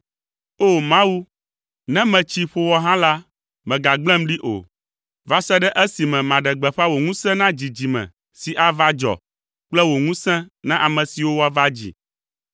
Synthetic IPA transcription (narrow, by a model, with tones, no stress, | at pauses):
o˦˨mã˦wu˦ | nɛ̃˦mɛ̃˨t͡ɕi˦ɸo˨wɔ˦ɦã˦la˦ | mɛ̃˨ɡa˨ɡ͡blɛ̃˦mɖi˦ʔo̰˨ | va˦sɛ˦ɖɛ˦ʔɛ˦si˨mɛ̃˨mã˨ɖɛ˨ɡ͡bɛ˨ɸa˦wo˨ŋũ˦sɛ̃˦nã˦d͡ʑi˨d͡ʑi˨mɛ̰̃˨ | si˨ʔa˦va˦d͡ʒɔ̰˨ | k͡plɛ˦wo˨ŋũ˦sɛ̃˦nã˦ʔa˨mɛ̃˨si˨wo˦wa˦va˦d͡ʑḭ˨